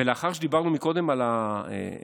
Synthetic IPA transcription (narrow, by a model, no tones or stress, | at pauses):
eleaχaʁʃed̪ibaʁnumiko̞d̪e̞malaḛ